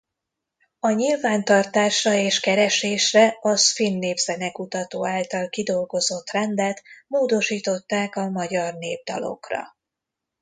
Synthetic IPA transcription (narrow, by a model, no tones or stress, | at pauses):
ɒɲilvaːnt̪ɒrt̪aːʃrɒeːʃkɛɾɛʃeːʃrɛɒsfinːeːvzɛnɛkut̪ɒt̪oːaːlt̪ɒlkid̪o̞lɡo̞zo̞t̪rɛnd̪ɛt̪moːd̪o̞ʃiːt̪o̞t̪ːaːkɒmɒɟɒrneːb̚d̪ɒ̰lo̞̰krɒ̰